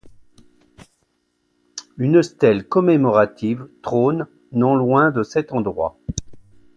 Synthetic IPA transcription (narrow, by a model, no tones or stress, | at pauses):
ynəst̪ɛlkɔmemɔʁat̪ʰivt̪χonː | ɔ̃lwɛ̃d̪əsɛt̪ɑ̃d̪ʁwa̰